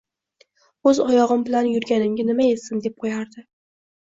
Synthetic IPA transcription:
ɵzɒjɒʁɨmbɪlanjʊɾɡʲanɪmɡʲanɪmae̞sɪnd̪e̞p̚qʰojaɾd̪ɪ

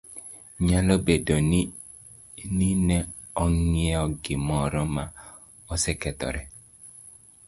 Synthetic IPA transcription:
ɲalobedɔn | ninɛ | ɔŋiɔɡemɔɾɔma | ɔsɛkɛtɔ̰ɾɛ

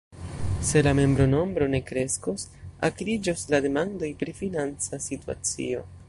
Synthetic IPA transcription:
se̞lame̞mbɾo̞no̞mbɾo̞ne̞kɾe̞sko̞sa̰kɾid͡ʒoslade̞mando̞jpɾifinant͡sasitua̰t͡sḭo̞

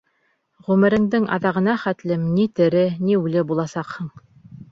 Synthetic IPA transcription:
ʁʉmɘ̆ɾɘ̆ŋd̪ɘŋɑ̰ðɑʁɤ̆nɑχæt̪lɘmnit̪ɘ̆ɾɘniʉlɘbulˠɑsɑqhɤɴ

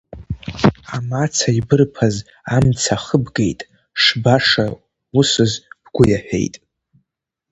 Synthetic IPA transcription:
amat͡sʰaibɨrpʰaz | amt͡sʰaχəbɡe̞jtʼ | ʂbaʂa | usɨzb̥ɡ̥ʷʊjaħʷᶣe̞̰jtʼ

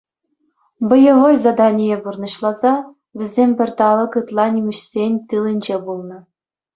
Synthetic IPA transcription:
bɤ̆jɤ̆ʋojzɑd̪ɑnʲijeburnɤ̆ɕlˠɑzɑ | ʋʲɘ̆zʲemʲbʲɘ̆rʲt̪ɑlɤ̆kɯt̪lˠɑnʲimʲɘ̆ɕsʲenʲt̪ɯlʲɘ̆nʲd͡ʑebulˠnɤ̆

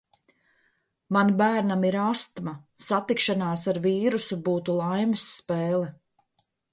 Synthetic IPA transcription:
manbæːɾnamiɾast̪masat̪ikʃanaːsaɾviːɾusubuːt̪ulˠajmisːpɛːlˠɛ

